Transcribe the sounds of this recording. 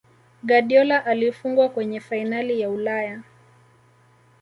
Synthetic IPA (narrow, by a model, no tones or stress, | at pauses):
ɡaɗiɔlaʔalifuŋɡwakwɛɲɛfainalijaulaja